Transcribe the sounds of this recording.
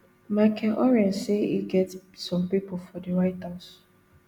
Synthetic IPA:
makʰɛʔɔɹɛ̃nseiɡɛtsɔ̃mpipofɔdəɹaɪtas

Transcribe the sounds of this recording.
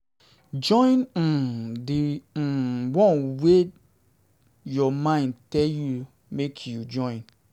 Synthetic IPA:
d͡ʒɔ̃j̃n̩dẽ | wɔ̃nwe | jɔmãĩndtɛlju | mekʰjud͡ʒɔ̃ɪ̃n

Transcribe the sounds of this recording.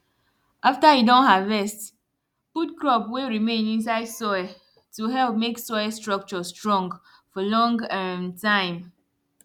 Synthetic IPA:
ʔaftaidõnɦavɛst | put̚kɹɔpweɹimẽnĩns̬aɪdsɔja | tuɦɛlp̚meksɔjastɹɔk̚t͡ʃɔstɹɔ̃ŋɡ | fɔlɔ̃ŋɡtãɪ̃m

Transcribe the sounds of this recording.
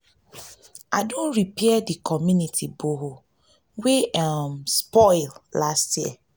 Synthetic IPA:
ʔadõnɹipɛɛdikʰɔmjunitʰiboɦo | weamspɔɪllastʰjiɛ

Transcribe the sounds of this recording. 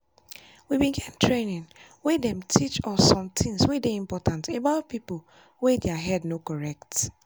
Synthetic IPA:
wibĩɡɛtntʰɹenĩn | wedɛ̃mtʰit͡ʃɔsːɔ̃mtʰĩŋswedeĩmpɔtʰãntebaʊt̚pipol | wedɛaɦɛdnokɔɹɛk̚t

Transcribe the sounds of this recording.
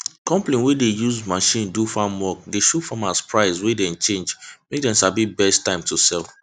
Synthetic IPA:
kɔ̃mplĩnwɛdejuzmaʃĩndufamwɔk̚deʃufamaspʰɹaɪswedɛ̃nt͡ʃẽnd͡ʒmek̚dɛ̃nʃabibɛstːãɪ̃mtʰusɛlˠ

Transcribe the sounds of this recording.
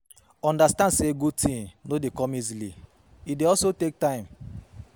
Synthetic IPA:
ɔ̃ndastãndseɡud̚tʰĩnnodekɔ̃mizili | ideɔlsotek̚tãɪ̃m

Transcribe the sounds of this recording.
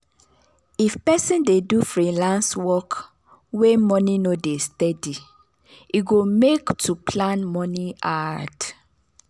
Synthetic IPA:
ifpɛsĩndedufɹilãnswɔk | wemɔ̃nĩnodestɛdi | iɡomektʰupʰlãnmɔ̃niad

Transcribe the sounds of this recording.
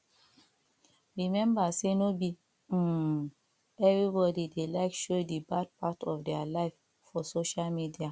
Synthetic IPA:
ɹimɛ̃mbasenobi | ɛvɹibɔdidelaɪkʃodibad̚patɔfdɛalaɪf | fɔsoʃalmidia

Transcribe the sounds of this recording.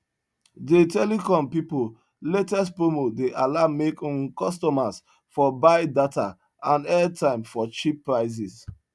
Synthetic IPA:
detɛlikɔ̃mpipo | letɛstpomodeʔalamekɔ̃kɔstɔmas | fɔbaɪdata | ãnɛtʰãɪ̃mfɔt͡ʃipːɹaɪs̬is

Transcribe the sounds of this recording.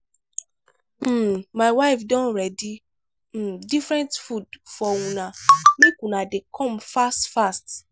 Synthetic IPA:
m̩majwaɪfdɔ̃nɾɛdĩ | difɾɛ̃ntfudfɔwũnãmẽkũnãdekʰɔ̃mfastfast

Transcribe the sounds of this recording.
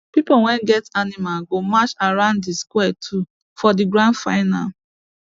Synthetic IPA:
pipowɛ̃nɡɛtanimalɡomat͡ʃaɾãʊ̃nddiskwɛtʰu | fɔdiɡɾãndfa̰ɪna̰l

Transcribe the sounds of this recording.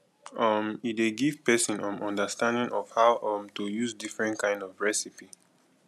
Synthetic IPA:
ʌmideɡiv̥pɛsĩnɔ̃mʔɔ̃ndəstãndĩŋʔɔv̥haʊʔʌmtujuzdifɹɛ̃ntkãɪ̃ndɔvɹɛsipi

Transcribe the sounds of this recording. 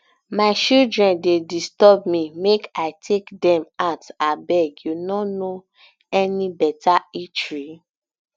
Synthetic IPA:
maɪʃildɹɛ̃ndedistɔbmĩmekaɪtʰekdɛ̃matabɛɡjunɔno | ɛnĩbɛtait͡ʃɹi

